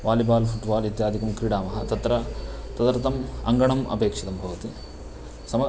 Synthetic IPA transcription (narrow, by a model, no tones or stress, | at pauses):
ʋaːlibaːlfʰuʈbaːlit̪jaːd̪ʱikɐmkɾiɽaːmɐɦɐt̪ɐt̪ɾɐt̪ɐd̪ɐɾt̪ɐmɐ̰ŋɡɐɳɐmɐ̰peːkʂit̪ɐmbʱɐʋɐt̪i | sɐmɐ